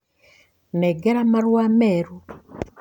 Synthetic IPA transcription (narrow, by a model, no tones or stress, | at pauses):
neɡeɾamaɾwameːɾu